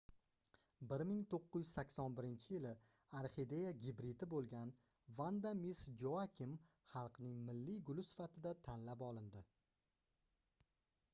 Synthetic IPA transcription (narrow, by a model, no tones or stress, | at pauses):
bɪɾmɪŋt̪ʰoqːʊjʏzsakʲsɒnbɪɾɪnt͡ʃʰɪjɪlɪ | aɾχid̪e̞jaɡʲɪbɾɪd̪ɪbolˠɡʲan | vand̪amisd͡ʒoakʲʰɪm | χɑlˠqnɪŋmɪlːiɡʊlʊsɪ̥fat̪ʰɪd̪at̪ʰanlapɒlˠɪnd̪ɪ